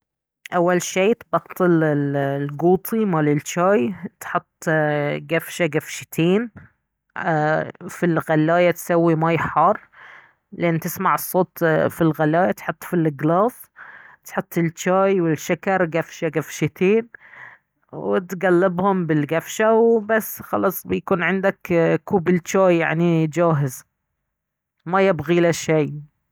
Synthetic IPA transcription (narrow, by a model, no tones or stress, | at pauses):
ʔawːalʃeːt̪bɑqt̪ˤɪlɪlɡuːt̪ˤʰimaːlɪlt͡ʃaːjt̪ħʊt̪ˤːɡafʃaɡafʃɪt̪ʰeːn | filɣalːaːjat̪sawːimaːjħɑːrˤ | lʔɪnːt̪ɪsmaʕɨsˤːoːt̪filɣalːaːjat̪ħʊt̪ˤːfilɪɡlɑːs | t̪ħʊt̪ˤːɪlt͡ʃaːjwɪlʃakɑɾˤɡafʃaɡafʃɪt̪ʰiːn | wɪt̪ɡalːɪbhʊmbɪlɡafʃawbasːxɑlɑːsˤbɪjakuːnʕɪnd̪akkuːbɪlt͡ʃaːjːaʕnid͡ʒaːɦɪz | majɪbɣilaʃej